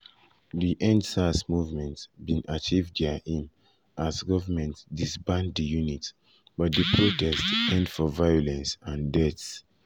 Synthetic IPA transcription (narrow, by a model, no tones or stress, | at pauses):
diʔɛ̃ndsasmuvmɛ̃ntsbĩnʔat͡ʃivdahĩm | ʔasɡɔvəmɛ̃ntdisbãnddijunit | b̥ɔt̚dəpʰɹotɛstɛ̃ndfɔvajɔlɛ̃nsãndɛts